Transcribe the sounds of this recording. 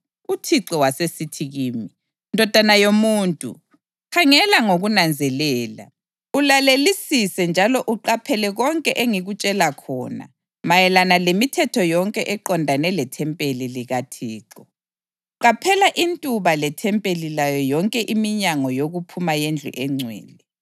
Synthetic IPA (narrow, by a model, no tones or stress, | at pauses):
utʰiǀɔwasesitʰiɣiːmi | ndʱɔd̥ʱanajomuːntʼṵ | kʰaŋɛlaŋoɣunand͡zʱɛlɛːla̰ | ulalelisisɛnd͡ʒʱalɔʔuǃapʰɛlɛɣɔŋkʼɛʔeŋiɣut͡ʃʼɛlakʰɔ̰ːna̰ | majɛlanalemitʰɛtʰɔjɔŋkʼɛʔɛǃɔndʱanɛlɛtʰɛmpʼeliliɣatʰiːǃɔ | ǃapʰɛlaʔintʼuβalɛtʰɛmpʼelilajɔjɔŋkʼɛʔimiɲaŋɔjoɣupʰumajend͡ɮʱṵʔɛŋ͡ǀʱwɛ̰ːlɛ